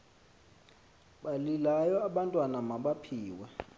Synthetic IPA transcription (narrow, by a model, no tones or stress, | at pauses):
ɓalilajɔaɓantʼwanamaɓapʰiːwɛ